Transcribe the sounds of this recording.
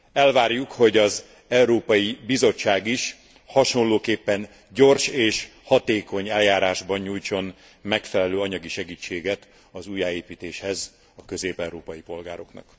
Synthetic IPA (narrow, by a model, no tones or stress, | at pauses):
ɛlvaːrjukho̞ɟɒz | ɛuɾoːpɒjibizo̞t͡ʃːaːɡiʃ | hɒʃo̞nloːkeːpːɛn | ɟo̞rʃeːʃhɒt̪eːko̞ɲɛljaːɾaːʒbɒɲɲuːjt͡ʃo̞n | mɛkfɛlɛløːɒɲɒɡiʃɛɡiːt͡ʃːeːɡɛt̪ | ɒzuːjaːeːpiːt̪eːʃhɛz | ɒkø̞zeːpɛwɾoːpɒjipo̞lɡaːɾo̞knɒ̰k